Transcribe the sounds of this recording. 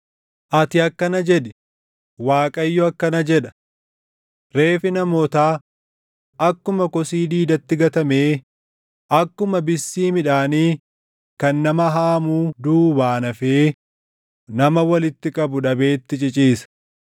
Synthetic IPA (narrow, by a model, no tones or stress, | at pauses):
ʔɐt̪ɪɐkːɐnɐd͡ʒɛᶑɪ | waːkʼɐjːɔɐkːɐnɐd͡ʒɛᶑɐ̥ | ɾe̞ːfɪnɐmoːt̪aː | ʔɐkːʊmɐkɔsiːd̪iːd̪ɐt̪ːɪɡɐt̪ɐme̞ː | ʔɐkːʊmɐbɪsːiːmɪᶑaːniː | kɐnːɐmɐɦaːmuːd̪uːbaːnɐfeː | nɐmɐwɐlɪt̪ːɪkʼɐbʊᶑɐbe̞ːt̪ːɪt͡ʃʼɪt͡ʃʼiːsɐ̥